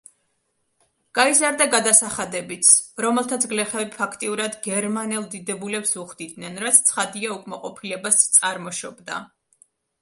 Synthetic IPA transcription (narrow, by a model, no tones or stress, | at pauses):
ɡ̥aizaɾd̪aɡad̪asaχad̪ɛbit̪sʰɾɔmɛlˠt̪ʰat̪sʰɡlɛχɛbipʰakʰt̪ʼiuɾad̪ɡɛɾmanɛlˠd̪id̪ɛbulɛpsuʁd̪id̪nɛnɾat̪sʰt̪sʰχad̪iaukʼmaqʼɔpʰilɛbast̪sʼaɾmɔʃɔbd̪a̰